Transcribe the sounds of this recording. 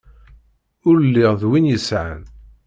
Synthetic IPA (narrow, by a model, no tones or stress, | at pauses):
ʊɾlːɪʁðwinjəsʕa̰n